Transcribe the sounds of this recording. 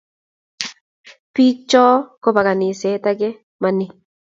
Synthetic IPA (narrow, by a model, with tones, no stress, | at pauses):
pi˦t͡ʃɔː˦ko˦pa˨ka˨nɪ˨sɛ˨˦ta˦ɡɛ˦ | ma˨nɪ˦